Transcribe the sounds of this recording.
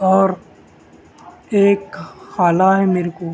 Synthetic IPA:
ɔːɾ | eːkxaːlaɦɛmeːɾkoː

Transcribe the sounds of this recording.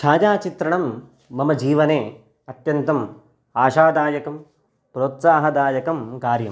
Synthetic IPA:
ʃʰaːd͡ʒaːt͡ʃit̪ɾɐɳɐmː | ɐmɐd͡ʒiːʋɐneː | ɐt̪jɐnt̪ɐm | aːʃaːd̪aːjɐkɐm | pɾoːt̪saːɦɐd̪aːjɐkɐmkaːɾjɐm

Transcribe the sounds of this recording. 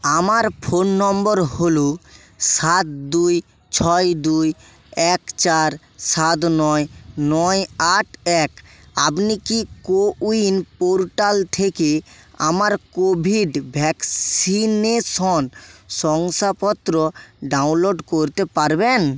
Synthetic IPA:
amaɾpʰonːɔmboɾholo | sat̪̚d̪uj | t͡ɕʰɔjd̪uj | ɛkt͡ɕaɾ | sat̪̬nɔenɔjaʈʰɛka̰pnikikouinpoɾʈalt̪ʰekea̰maɾkobʱiɖbʱɛksinesɔnʃɔŋsapɔt̪ːɾoɖawnloɖkoɾt̪epaɾben

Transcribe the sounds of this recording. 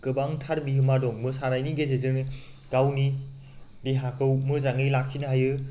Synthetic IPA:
kɯbaŋtʰaɾbiɦɯmadɔŋmɯsanajniɡezezɯɾnɯ | ɡ̥awni | biɦakʰɯwmɯzaŋɯjlak̚sʰinɯɦajɯ

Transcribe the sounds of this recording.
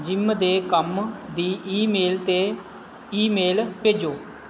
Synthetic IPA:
d͡ʒɪmd̪eːkəmd̪iːʔiːmeːlt̪eː | iːmeːlpeːd͡ʒoː

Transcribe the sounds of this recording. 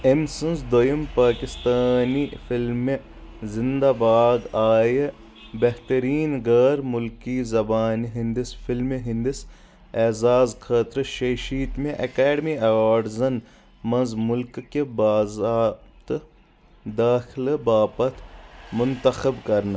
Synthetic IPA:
emsɐnzd̪ojɐmpaːkɪst̪aːnifɪlme | zɪnd̪abaːɡaːje | beɦt̪ɐɾiːnɡɐːɾmʊlkizɐbaːniɦɪ̃nd̪ɪsfɪlmeɦɪ̃nd̪ɪs | eːzaːzkʰaːt̪ɾʃeʃiːt̪mẽʔɐkɛːɖmiɐʋaːɖzɐn | mɐ̃nzmʊlkːebaːzaːt̪ | d̪aːxɪlbaːpɐt̪ʰmʊnt̪ɐxɐbkɐɾna

